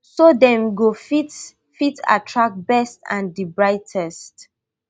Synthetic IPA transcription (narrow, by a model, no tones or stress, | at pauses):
sodɛ̃mɡofit | fitʰa̰tʰɹak̚bɛstã̰ndibɹaɪtʰɛst